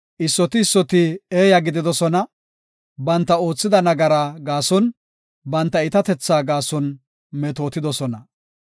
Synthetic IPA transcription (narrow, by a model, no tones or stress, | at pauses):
ʔɪsːɔt̪ɪːsːɔt̪ɪeːjɐɡɪd̪ɪd̪ɔsɔnɐ | bɐnt̪ːɐo̞ːt͡sːɪd̪ɐnɐɡɐɾaːɡaːsɔn | bɐnt̪ːɐɪt̪ɐt̪ɛt͡sːaːɡaːsɔn | mɛt̪o̞ːt̪ɪd̪ɔsɔnɐ